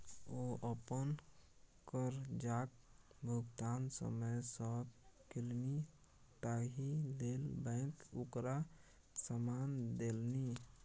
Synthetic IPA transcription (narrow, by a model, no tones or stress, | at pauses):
oəpən | kəɾd͡ʒak̚ | bʱuɡt̪aːnsə̰məjsəkilni | t̪aɦilelbɛ̃ɪkukɾa | səmand̪elni